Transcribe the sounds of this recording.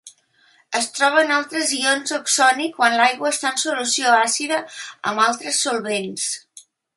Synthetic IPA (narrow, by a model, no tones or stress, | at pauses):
əst̪ɾɔβ̞ənalˠt̪ɾəzionzoksɔnikːwanlajɣwəːst̪aənsulusioasiðəə̰malˠt̪ɾəsːulˠβens